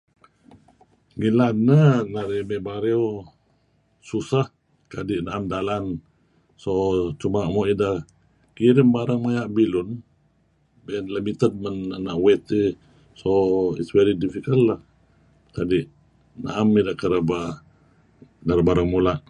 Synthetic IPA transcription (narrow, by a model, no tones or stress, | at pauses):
ŋilanənaɾimebaɾew | susah | kadiʔnaʔamdalan | sot͡ʃumaʔmɔʔida | kiɾimbaɾaŋmajaʔbilun | bɛnlimit̪əd̚mənanaʔwɛt̪e | soḭsvɛɾidifikəlːah | kadiʔ | na̰ʔamidakəɾəba | naɾbaɾaŋmulaʔ